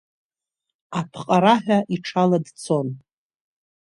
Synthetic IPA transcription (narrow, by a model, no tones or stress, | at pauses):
apʰqʼaɾaħᶣaʔiʈ͡ʂʰaladt͡sʰo̞n